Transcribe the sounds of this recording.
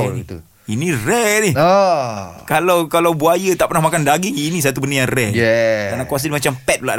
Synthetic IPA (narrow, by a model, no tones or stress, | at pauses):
u | inirɛni | kalawkalawbuajət̪aʔpərnahmakandaɡiŋinis̬at̪ubəndəjaŋrɛɛanakuas̬ədimat͡ʃampɛt̪̚ula̰ʔ